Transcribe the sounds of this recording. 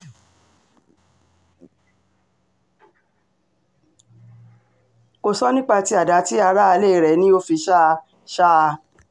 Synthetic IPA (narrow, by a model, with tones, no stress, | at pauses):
ko˧sɔ˦nĩ˦k͡pa˧ti˧˦a˨da˨˦ti˦a˧ɾa˦a˧le˦˨ɾɛ˨˦nĩ˦o˦fi˧ʃa˦˧ | ʃa˦˧